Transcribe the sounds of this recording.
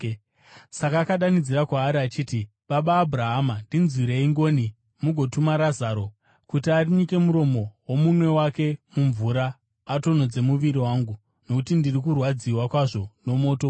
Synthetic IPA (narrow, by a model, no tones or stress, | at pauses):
sakaːkaɗanid͡ziɾakwaːɾiat͡ʃiːti | ɓaɓaːbʱuraɦamandinzwiɾeiŋɡo̞ni | muɡʱo̞tumaɾazaːɾo̞ | kutiariɲike̞muɾo̞mo̞womumwe̞wake̞muɱvuɾaː | to̞n̤o̞d͡ze̞muʋiɾiwaːŋɡu | no̞kutindirikurwad͡ziwakwaʐo̞no̞mo̞ːto